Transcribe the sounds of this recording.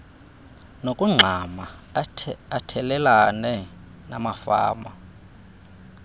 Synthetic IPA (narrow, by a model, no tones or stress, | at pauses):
nokʼuŋ͡ǁʱama | atʰɛlɛlanɛ | namafa̰ːma